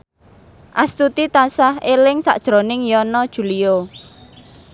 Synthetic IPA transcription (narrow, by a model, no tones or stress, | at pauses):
ʔast̪ut̪it̪asahelɪŋsa̰ʔd̥ʒ̥ɾo̤nɪŋjɔnɔd̥ʒ̥ṳlio